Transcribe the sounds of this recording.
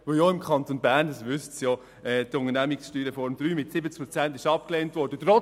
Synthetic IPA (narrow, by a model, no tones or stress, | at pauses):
ʋojɔɪmkχɑnt̪onbæːɾndɑsʋʏstsjɔ | ɛːt̪ʊŋənæmɪksʃtyːɾefɔɾmd̥̪ɾyːmɪtsɪbət͡sk̚pɾɔt͡sæntɪʃɑp̚kleːntʋɔːrdət̪ɾɔ